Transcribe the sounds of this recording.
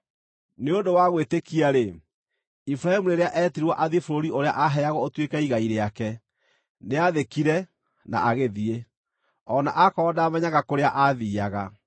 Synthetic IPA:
neondowaɣwetekiaɾe | ifɾahɛmuneɾeaʔɛːtiɾwaʔaðifoɾoɾioɾea̰ʔaɦɛaɣɔotwekaiɣaiɾeakɛ | neaðekiɾɛ | na̰ʔaɣeðie | ɔnaʔakɔdaːmɛɲaɣakoɾeaʔaðiːaɣa

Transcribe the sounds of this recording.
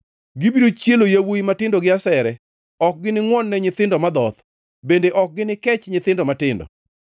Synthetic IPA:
ɡɪbiɾot͡ʃjelojawoimatɪndɔɡɪasɛɾɛ | ɔk̚ɡɪnɪŋwɔnːɛɲɪt̪ɪndɔmad̪ɔt̪ | bendeʔɔk̚ɡɪnɪkɛt͡ʃɲɪt̪ɪndɔmatɪndɔ̰

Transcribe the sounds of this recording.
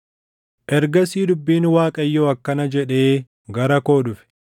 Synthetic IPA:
ʔɛɾɡɐsiːd̪ʊbːiːnwaːkʼɐjːoːɐkːɐnɐd͡ʒɛᶑe̞ː | ɡɐɾɐko̞ːᶑʊfɪ̥

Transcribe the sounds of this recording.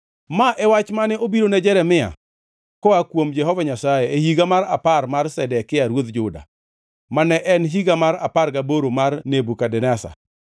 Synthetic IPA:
maʔɛwat͡ʃmanɛʔobiɾonɛd͡ʒɛɾɛmɪa̰ | kɔakwomd͡ʒɛɦɔvaɲasajeehiɡamaɾaparmarsɛdɛkɪaɾwod̪d͡ʒʊda̰ | manɛʔɛnɦiɡamaɾa̰parɡaboɾomarnebukadɛnɛsa̰

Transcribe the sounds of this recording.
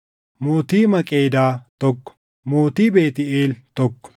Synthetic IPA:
moːt̪iːmɐkʼeːd̪aːt̪ɔkːɔ̥ | moːt̪iːbe̞ːt̪ɪeːlt̪ɔkːɔ̥

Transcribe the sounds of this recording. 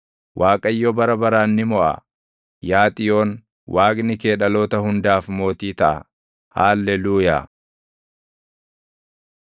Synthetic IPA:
wʔaːkʼɐjːɔbɐɾɐbɐɾaːnːɪmɔʔɐ̰ | jaːt̪ʼɪjo̞ːn | wʔaːkʼnɪke̞ːᶑɐlo̞ːt̪ɐhʊnd̪aːfmo̞ːt̪iːt̪ɐʔɐ̰ | haːlːɛluːja̰ː

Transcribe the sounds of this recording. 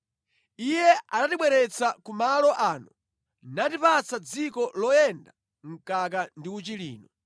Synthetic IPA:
ijɛanatiɓwɛɾɛt͡sakumalɔʔaːnu | natipat͡sad͡zikɔlɔjɛnda | ŋ̩kak̬andiut͡ʃilḭːnɔ

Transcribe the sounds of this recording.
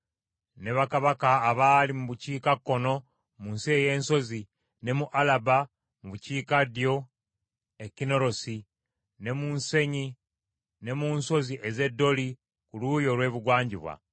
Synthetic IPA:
ne̞βakaβakaːβaːlimuβuciːkakːo̞no̞ | munsieje̞ːnso̞zi | ne̞muʔalaba | muβuciːkadijo̞ | e̞cino̞ɾo̞si | ne̞munse̞ɲi | ne̞muːnso̞ziʔeze̞dːo̞li | kulujo̞lwe̞ːβuɡwaːɲɟiβwa̰

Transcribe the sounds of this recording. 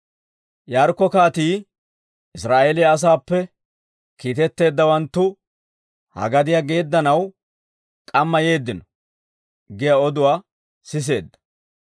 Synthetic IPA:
jaːɾkːɔkaːt̪iː | ʔɪsɾaːʔelɪjɐs̬aːpːɛ | kiːt̪ɛt̪ːe̞ːd̪ːɐwɐnt̪ːʊ | hɐ̰ɡɐd̪ɪjaɡe̞ːd̪ːɐnɐw | kʼɐmːɐje̞ːd̪ːɪnɔ | ɡɪjɐɔd̪ʊwaː | sɪs̬e̞̰ːd̪ːɐ̥

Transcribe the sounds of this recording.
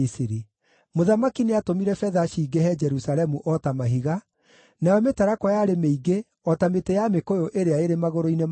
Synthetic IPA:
siɾi | moðamakineatomiɾɛfɛðaʃiːɡehɛd͡ʒɛɾusalɛmuʔɔtamaɦiɣa | najɔmetaɾakɔjaɾemeiɡe | ɔtametejamekojoʔeɾeaeɾemaɣoɾoinem

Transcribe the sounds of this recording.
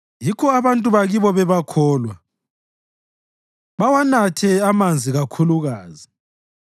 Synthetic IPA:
jikʰɔaβantʼuβaɣiβɔβɛβakʰɔːlwa | βawanatʰɛamand͡zʱiɣakʰuluɣaːzi

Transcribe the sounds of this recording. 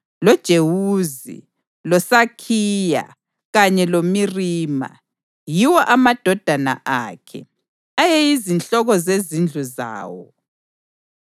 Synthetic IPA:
lɔd̥ʒ̥ʱewuːzḭ | lɔsakʰiːja̰ | ɣaɲɛlomiriːma̰ | jiwɔʔamad̥ʱɔd̥ʱana̰ʔakʰɛ̰ | ajɛjizint͡ɬɔɣɔzezind͡ɮʱuza̰ːwɔ

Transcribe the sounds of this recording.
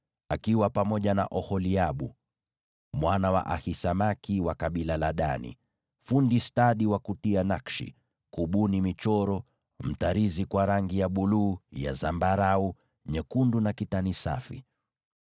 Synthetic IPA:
akiwapamɔʄana̰ʔɔhɔliaɓu | mwanawa̰ʔahisamakiwakaɓilalaɗa̰nḭ | fundistaɗiwakutianakʃḭ | kuɓunimit͡ʃɔɾɔ | m̩taɾizikwaɾaŋɡijaɓuluːja̰zambaɾau | ɲɛkundunakitanisa̰fḭ

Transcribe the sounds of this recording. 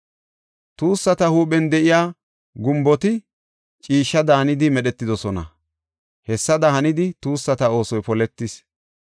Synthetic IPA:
t̪uːsːɐt̪ɐhuːɓɛnd̪ɛʔɪjaː | ɡʊmbɔt̪ɪ | t͡ʃʼiːʃːɐd̪ɐːɐnɪd̪ɪmɛɗɛt̪ːɪd̪ɔsɔnɐ̰ | hɛsːɐd̪ɐhɐnɪd̪ɪt̪uːsːɐt̪ɐo̞ːsɔjpɔlɛt̪ːɪs

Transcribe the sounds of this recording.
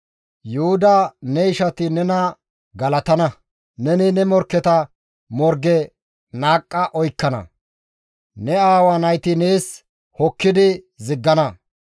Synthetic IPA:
jʊhʊd̪ɐnɛɪʃɐt̪ɪnɛnɐ | ɡɐlɐt̪ɐnɐ | nɛnɪnɛmɔɾkːɛt̪ɐ | mɔɾɡɛ | naːkʼːɐʔɔjkːɐnɐ̰ | nɛaːwɐnɐjt̪ɪneːs | hɔkːɪd̪ɪ | zɪɡːɐnɐ

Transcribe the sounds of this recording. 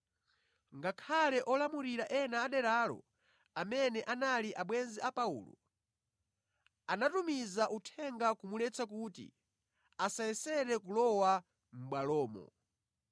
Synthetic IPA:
ŋɡakʰalɛʔɔlamuɾiɾaʔɛnaːɗɛɾaːlɔ̰ | amɛnɛʔanaliʔaɓwɛnziʔapaṵːlɔ̰ | anatumizaʔutʰɛŋɡakumulɛt͡sakutḭ | asaɛsɛɾɛkulɔwa | m̩ɓwalɔːmɔ̰

